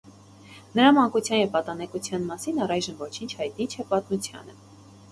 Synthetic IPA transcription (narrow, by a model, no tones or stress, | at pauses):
nəɾɑmɑŋkut͡sʰjɑnjɛvpɑt̪ɑnɛkut͡sʰjɑnmɑsinɑrɑjʒəmvɔt͡ʃʰint͡ʃʰhɑjt̪nit͡ʃʰɛpɑt̪mut͡sʰjɑ̰nə